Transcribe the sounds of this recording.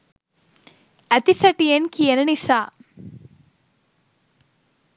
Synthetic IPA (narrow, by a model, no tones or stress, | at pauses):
ɐt̪isɐʈijenkijenɐnisaː